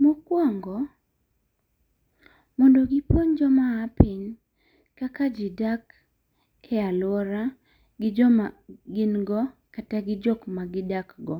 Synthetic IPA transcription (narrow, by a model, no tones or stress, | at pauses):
mukwaŋɡɔ | mɔndoɡɪpoɲd͡ʒɔmaːpɪn | kakad͡ʒɪdak | ɛalɔɾa | ɡɪd͡ʒɔmaɡɪnɡɔkataɡɪd͡ʒɔkmaɡɪdakɡɔ